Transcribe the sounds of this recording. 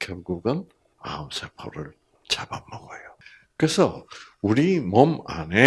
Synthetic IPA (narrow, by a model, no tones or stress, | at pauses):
kjʌɭɡuɡɯn | ma̰ɯmsʰepʰo̰ɾɯɭ | t͡ɕabamːʌɡʌjo | kɯɾesʰʌuɾimʌma̰ne